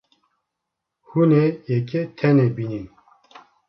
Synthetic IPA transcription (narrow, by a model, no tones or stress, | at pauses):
hunejɛket̪ʰɛnebinin